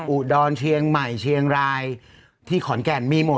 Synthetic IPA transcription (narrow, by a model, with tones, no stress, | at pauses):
ʔuː˨˩t̪̚dɔː˧nt͡ɕʰi˧əŋma˨˩jt͡ɕʰi˧əŋɾaː˧j | t̪ʰiː˥˩kʰɔ˩˦nkɛ˨˩nmiː˧mo˨˩